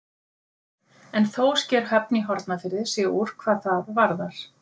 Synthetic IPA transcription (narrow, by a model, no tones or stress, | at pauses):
ɛnθowscɛːɾ̥ɦɛpniɦɔɾt̪nafɪɾðɪsɛuɾ̥kʰv̥aːðθaðvaɾðaɾ̥